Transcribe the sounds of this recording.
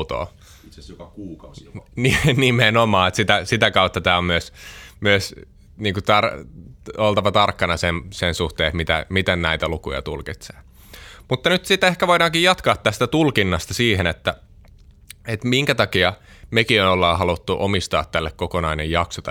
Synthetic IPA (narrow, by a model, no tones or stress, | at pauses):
t̪o̰ː | kuːkninimenomɑːet̪sit̪æsit̪ækɑut̪ːɑt̪æːommyøsmyøs | niːŋkut̪ɑr | olt̪ɑʋɑt̪ɑrkːɑnɑsensensuht̪eːet̪mit̪æ̰mit̪ænnæit̪ælukujɑ̰t̪ṵlkit̪se̥̰ː | mut̪ːɑnyt̪sit̪ehkæʋoidɑːŋkijjɑt̪kɑːt̪t̪æst̪æt̪ulkinːɑst̪ɑsiːhenet̪ːæ | et̪miŋkæt̪ɑkiɑmekionolːɑːhɑlut̪ːuʔomist̪ɑ̰ːt̪t̪ælːekkokonɑinejjɑksot̪